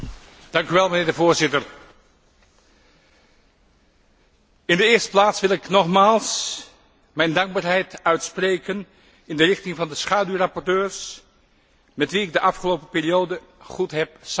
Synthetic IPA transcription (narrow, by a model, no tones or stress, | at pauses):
d̥ɑŋkyʋɛlˠmənɪːɹdəvoːɹzɪtəɹ | ɪndəɪːɹstə̥plaːtsʋɪlˠɪknɔχmaːlˠs | mɛjndɑŋɡ̚baːɹɦɛjtœɥtsprejkən | ɪndərɪχtɪŋvɑndəsχaːdyrɑpɔɹtøːɹs | mɛtʋiɪɡ̚dəʔɑfχəlowpəpɪːɹijowdə | χutɦɛp̚s